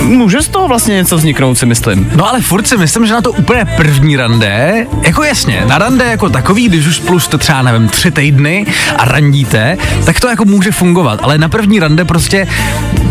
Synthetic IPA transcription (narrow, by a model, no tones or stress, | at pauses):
muːʒɛst̪oɦovlast̪ɲɛɲɛt͡sovzɲɪknowt̪sɪmɪslɪ̰mnoʔalɛfuɾt̪sɪmɪslɪmʒɛnat̪o̞ʔupl̩ɲɛpr̩vɲiːɾandɛjako̞jasɲɛ̰naɾandɛjako̞t̪akoviːɡdɪʃ̬uʃsplust̪ɛt̪r̥ɛbanɛvɪmt̪r̝̥ɪt̪ɛjdnɪʔa̰ɾaɲɟiːt̪ɛt̪akt̪o̞jako̞muːʒɛfuŋɡova̰t̪ʔa̰lɛnapr̩vɲiːɾandɛpɾo̞scɛ